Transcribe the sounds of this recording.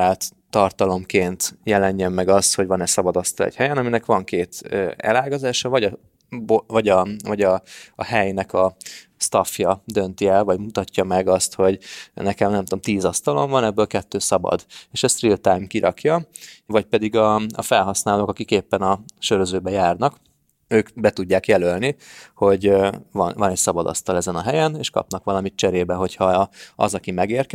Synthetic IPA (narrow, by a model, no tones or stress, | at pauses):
aːlt̪ːɒrt̪ɒlo̞mkeːnt̪jɛlɛɲːɛmːɛɡɒst̪ho̞ɟvɒnɛsɒbɒd̪ɒst̪ɒlɛ̰chɛjɛnɒminɛkʋɒŋkeːt̪øːɛ̰laːɡɒzaːʃɒvɒɟɒ | bovɒɟɒvɒɟɒːhɛjnɛkɒ | st̪ɒfjɒd̪ø̞nt̪iɛlvɒɟmut̪ɒcːɒmɛɡɒst̪ho̞ɟnɛkɛmnɛmt̪oːmt̪iːzɒst̪ɒlo̞̰ɱvɒnɛbːøːlkɛt̪ːøːsɒbɒ̰d̪eːʃɛst̪rilt̪aːjmkiɾʔɒ̰kjɒvɒc̚pɛd̪iɡɒːfɛlɦɒsnaːloːkɒkikeːpːɛnɒʃøɾøzøːbɛjaːrnɒk | øːkbɛt̪uɟːaːkjɛlølniho̞ɟvɒ̰nvɒnɛcsɒbɒd̪ɒ̰st̪ɒlɛzɛnɒɦɛjɛneːʃkɒ̰pnɒkʋɒlɒmit͡ʃɛɾeːbɛɦo̞chɒɒ̰zɒkimɛɡeːrkɛ